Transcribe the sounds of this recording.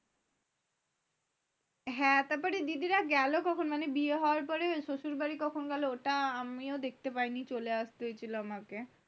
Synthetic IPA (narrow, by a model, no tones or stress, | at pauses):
ɦɛ̃t̪apɔɾid̪id̪iɾaɡɛlokɔkʰonmanebieɦɔoaɾpɔɾeʃoʃuɾbaɾikɔkʰonɡɛlooʈaamiod̪ek̚ʰt̪epajnit͡ɕoleaʃt̪eɦoet͡ɕʰiloamake